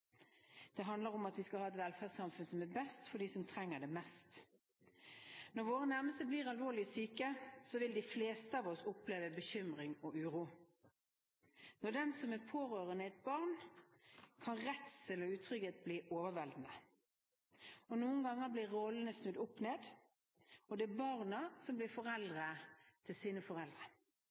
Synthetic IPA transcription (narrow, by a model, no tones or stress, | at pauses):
d̪̥ɛɦɑnd̪ləɾʁɔmɑt̪ʋɪskɑhɑːɛt̪ʋɛlfæːsɑmfʉnsɔmæbɛst̪fɔɖ̪iːsɔmt̪ʰʁɛŋːəd̪ɛmɛst̪ | nɔʁʋoːʁənæʁməst̪əbliːʁɑlʋoːʁlɪəsyːkəsɔʋɪld̪ɪfleːst̪əɑːʋɔsʊpleːʋəbəçʏmʁɪŋɔʔʉːʁuː | nɔd̪ɛnsɔmæpʰoːɾøːʁənəɛt̪̚bɑʁn | kʰɑnʁɛt̪səlɔʉːt̪ʰʁʏɡət̪̚bliːʔoːʋəʋɛld̪n̩ə | ɔnuːənɡɑŋːəblɪʁɔlən̩əsnʉd̪ʊpːneːd̪ | ɔd̪ɛːbɑʁnɑsɔmblɪʁfɔʁɛld̪ʁət̪ʰɪlsiːnəfɔʁɛld̪ʁə